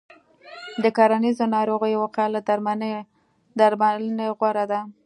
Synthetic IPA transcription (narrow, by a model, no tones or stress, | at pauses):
d̪əkɑɾanizonɑɾoɣəjwoqalad̪aɾma | d̪aɾmaəneɣwaɾad̪a